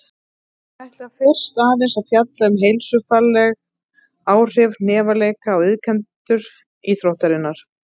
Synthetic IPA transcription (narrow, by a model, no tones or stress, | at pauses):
ajht̪lɪafɪr̥st̪aːðɪnsaðfjat̪laʏmɦejlsʏfalːɛɣ | aːwr̥ɪvnɛːvalejkaɔɣɪðkʰɛnt̪ʏɾ | iːθɾowht̪aɾɪnːaɾ̥